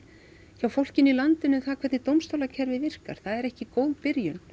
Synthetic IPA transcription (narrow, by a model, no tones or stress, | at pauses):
çawfowl̥cɪnilant̪ɪnʏθakʰvɛt̪nɪt̪owmst̪owlacʰɛɾvɪvɪr̥ka̰ɾ̥θaðɛɾɛhcɪkoːwðpɪɾjʏn